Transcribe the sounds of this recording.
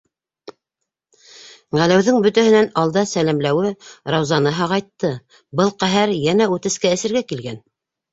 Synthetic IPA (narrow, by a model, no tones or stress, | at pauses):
ʁælæwðɘŋbɵ̆t̪æhɘ̆nænɑlˠd̪ɑsælæmlæwɘɾɑwzɑnɤɦɑʁɑjt̪ːɤ | bɤlˠqæɦæɾjænæʉt̪ɘ̆skæɘ̆sɘ̆ɾɡækilɡæn